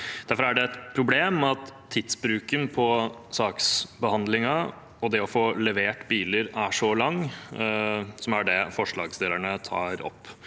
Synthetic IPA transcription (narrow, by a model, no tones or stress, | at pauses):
d̪̥æɾfɔɾæɖɛɛt̪pʰɾʊbleːmɑt̪ʰːɪd̪sbɾʉːkənpʰɔsɑːksbəhɑnd̪lɪŋɑ | ɔd̪ɛɔfoːlɛʋeːʈbiːləɾæʂɔlɑŋː | sɔmæɖɛfɔʂɭɑːɡsd̪eːləɳət̪ʰɑ̰ːɾɔ̰pː